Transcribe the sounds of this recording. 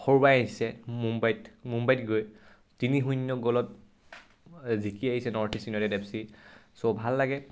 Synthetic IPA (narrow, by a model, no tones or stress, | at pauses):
xoɹbajaɦisɛmumbajtmumbajtɡoj | tiniɦunjɔɡɔlɔt̚ | zikiaɦisɛnɔɹtʰisinɔɾɛdɛpsisobʱalːaɡɛ